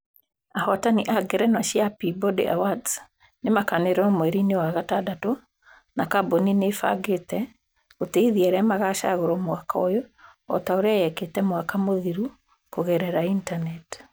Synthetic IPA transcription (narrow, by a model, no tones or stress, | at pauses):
ahɔtaniʔaɡeɾɛnaʃjapibɔdḛawads | nemakaneɾɔmwɛɾinewaɣatadato | nakaboninefa̰ɡetɛ | oteiðiaɾɛamaɣaʃa̰ɣoɾɔmwakaojɔɔ̰taoɾeajɛketɛmwakamoðiɾu | koɣɛɾɛɾaintanɛt